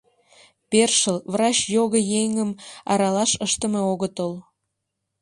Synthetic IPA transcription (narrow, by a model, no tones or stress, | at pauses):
perʃəlvrɑt͡ɕjoɣəjeŋəmɑɾɑlɑʃəʃt̪əmeoɣət̪əl